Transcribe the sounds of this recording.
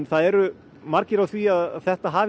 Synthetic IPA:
nθaðɛɾʏ | maɾcɪɾawθviaðaθɛht̪aɦaːv

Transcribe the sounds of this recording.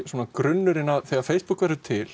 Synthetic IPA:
suoːnakɾʏnːʏɾɪnaðθɛːɣaɾfejspukvɛɾðʏt̪ʰɪl̥

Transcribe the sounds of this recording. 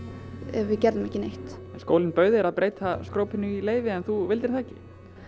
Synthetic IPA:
ɛ̰vvɪðcɛɾðʏmɛhcɪnejht̪ɛnskoːwlɪnpœɥðɪɾaðpɾeːjt̪ʰaskɾoːwpɪnːʏileːjvɪɛnθuvɪlt̪ɪɾ̥θaːɛcɪ

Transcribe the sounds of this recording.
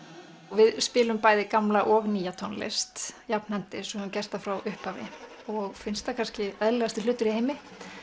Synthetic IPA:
ɣvɪðspɪːlʏmpaːjðɪkamlaʔɔɣniːjat̪ʰɔnlɛ̰st̪japn̥hɛnt̪ɪsɔʏncɛrst̪afɾawʔʏhpavɪ̰ | ɔɣfɪnst̪akʰanscɪɛðlɛɣast̪ɪlʏːt̪ʏɾiheːjmɪ

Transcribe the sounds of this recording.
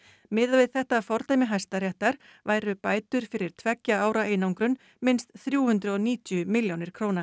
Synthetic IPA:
mɪːðavɪðθɛht̪afɔɾt̪ajmɪɦajst̪aɾjɛht̪aɾ̥vaːjɾʏpaːjt̪ʏɾ̥fɪɾɪɾ̥t̪ʰvɛcːaaːwɾaʔeːjnawŋkɾʏn | mɪnst̪θɾjuːhʏnt̪ɾʏɔniːt̪jʏmɪljawnɪɾ̥kʰɾoːwna

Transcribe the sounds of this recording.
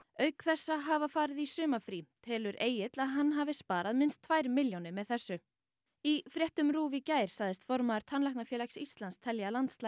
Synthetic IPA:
œɥkθɛsːaɦavafaːɾɪðisʏːmafɾiːt̪ʰɛːlʏɾʔeːjɪt̪laðɦanːɦaːvɪspaːɾaðmɪnst̪ʰvaːjɾmɪljownɪmɛðθɛsːʏ | ifɾjɛht̪ʏmɾuːvicaːjɾ̥saɣðɪst̪fɔɾmaːɾ̥t̪ʰanlahk̪nafjɛːlaksist̪lanst̪ʰɛljalant̪st̪la

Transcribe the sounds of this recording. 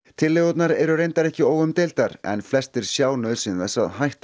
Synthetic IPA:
t̪ʰɪlːeɣɔt̪naɾɛɾʏrejnt̪aɾɛhcɪoːwɣʏmt̪ejlt̪aɾɛ̰nflɛst̪ɪɾ̥sjaːwnœðsɪnθɛsːa̰ðɦajht̪

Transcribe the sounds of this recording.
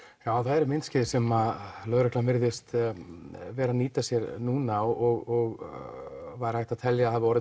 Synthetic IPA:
jaːwθaðɛɾmɪnt̪scɪːðɪsɛmalœːðɾœhklavɪɾðɪst̪ | vɛːɾaniːt̪asjɛɾnuːnaɔɣɔɣ | vaðɾhaht̪aðt̪ʰɛljaahavɪɔːɾɪ

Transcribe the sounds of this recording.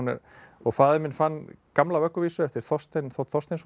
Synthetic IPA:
nːɪ̰ɾ | ɔɣfaːðɪmɪnfanːkamlavœkːʏviːsʏɛft̪ɪɾ̥θɔst̪enθɔθɔst̪ens

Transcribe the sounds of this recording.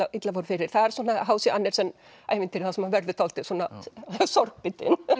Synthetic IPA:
aʔit̪lavɔɾfɪɾɪɾ̥θaðɛɾ̥swɔːnːaɦaːwsɪanːɛɾ̥sɛnː | a̰jmɪnt̪ɪɾθasɛmhanvɛɾðʏt̪ʰaːlt̪ɪswɔnasɔɾk̚pɪt̪ɪ̰n

